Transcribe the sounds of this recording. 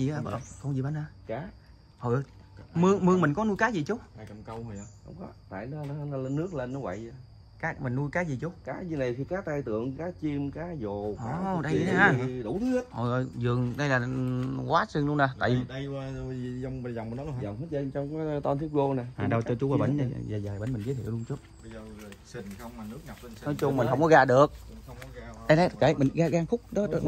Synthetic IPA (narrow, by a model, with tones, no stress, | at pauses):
zi˨˩ʔaː˨˧˦xə˧wŋ͡mzi˨˩ɓa˧˦nhaː˧kaː˨˦ | ho˨˩jə˨˩ | mɨ˧əŋmɨ˧əŋmi˨˩ŋ̟kɔ˨˦nu˧jkaː˨˦zi˨˩t͡ɕu˨˦˥aː˧˩jt͡ɕə˨˩mkə˧whə˨˩ja˨˧˦hə̰˧˦wŋ͡mkɔ˨˦t̪a̰ː˧˨jnɔ˨˦ɔ˨˦˧nɔ˨˦lə˧nɨ˦˥ək̚le˧nːɔ˨˦və̰˧˨ja˧ | kaː˨˦˥k̚mï˨˩ŋ̟nu˧jkaː˨˦zi˨˩t͡ɕu˨˦˥kaː˨˦zi˨˩na˨˩jt̪ʰi˧kaː˨˥t̪aː˧jt̪ɨ̰˧˨əŋkaː˨˦t͡ɕi˧mkaː˨˦zo˨˩ʔɔa˨ɗa˧jaː˨˧ɗṵ˨˧˩t̪ʰɨ˨˦hə˦˥t̚ho˨˩jʔɔ˨˩jzɨ˨˩əŋɗə˧jlaː˨˩kwaː˨˦˥sɨ˧ŋlʊ˧əna˨˩t̪a̰ː˧˨ji˨˩˧ja˨˧˨zɔ˧wŋ͡mzɔ˨˩wŋ͡mnɔ˨˦˧zɔ˨˩wŋ͡mhə˦˥t̚zə˧ŋt͡ɕɔ˧wŋ͡mkaː˨˦˧t̪ɔ˧nt̪ʰi˦˥p̚ɣo˧na˨˩jhaː˨˩ɗa˧wt͡ɕɔ˧t͡ɕu˨˦əː˨˦˩ɓə̰˧˦n˨˩˨zaː˨˩zəː˨˩jɓə̰˨˦nmï˨˩ŋ̟ke˨˦t̪ʰḭ˧˨wlu˧ŋt͡ɕu˦˥t̚ːwŋ͡mnɨ˦˥k̚nɔ˨˦jt͡ɕʊ˧ŋ͡mmï˨˩ŋ̟ɦə˧wŋ͡mkɔ˨˦ɣa̰ː˧˨ɗɨ˨˩ək̚ | ɗə˧na˨˩˨ka˧˩˦mï˨˩ŋɣaː˧ɣaː˧ŋxʊ˦˥k͡p̚ɗɔ˨˦˨